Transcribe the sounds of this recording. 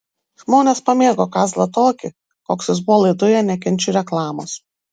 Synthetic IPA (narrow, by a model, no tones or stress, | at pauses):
ʒmoːnʲeːspɐmʲeːɡoːkɑːzlˠɐt̪oːkʲɪ | koːksʲjɪsbʊʋɔːlˠɐɪd̪ʊjɛnʲɛk̬ʲɛnʲt͡ʃʲʊɾʲɛklˠɑːmo̰ːs